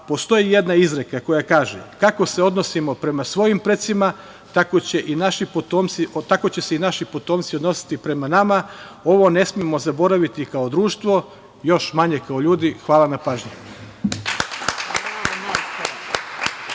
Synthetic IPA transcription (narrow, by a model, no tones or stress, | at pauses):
po̞st̪o̞jije̞d̪naizɾe̞kako̞jakaːʒḛkako̞se̞o̞d̪no̞simo̞pɾe̞masʋo̞jimpɾet̪sima | t̪akot͡ɕe̞ʔinaʃipot̪oːmt̪siot̪ako̞t͡ɕe̞seinaʃipo̞t̪o̞mt̪siod̪no̞si̥t̪ipɾe̞manamao̞ʋo̞ne̞smijemo̞zabo̞ɾaʋit̪ikaod̪ɾuːʃt̪ʋo̞ | jo̞ʃmaɲe̞kaoʎuːd̪ixʋaːlanapaːʒɲe